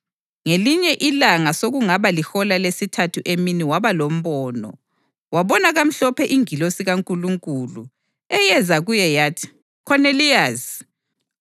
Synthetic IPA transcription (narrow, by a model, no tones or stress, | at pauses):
ŋeliɲɛʔilaŋasoɣuŋaβalixɔlalesitʰatʰuʔeminiwaβalom̩βɔːnɔ̰ | waβɔnaɣam̩ɬɔpʰɛʔiŋilosiɣaŋkʼuluŋkʼulṵ | ɛjɛzaɣujɛjaːtʰi̥ | kʰɔneliaz